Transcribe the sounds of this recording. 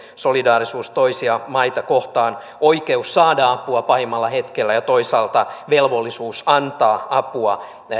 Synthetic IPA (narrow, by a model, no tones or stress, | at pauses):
solidɑːrisuːst̪oisiɑmɑit̪ɑkoht̪ɑːn | oikeusːɑːdɑɑpuɑpɑhimːɑlːɑhe̞t̪kelːæjɑt̪oisɑːlt̪ɑʋelʋolːisuːsɑnt̪ɑːɑpuɑ